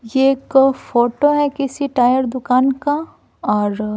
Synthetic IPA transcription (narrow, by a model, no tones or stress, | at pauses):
jekfoːʈoɦɛkɪsiʈaːjəɾd̪ʊkaːnka | ɔːɾ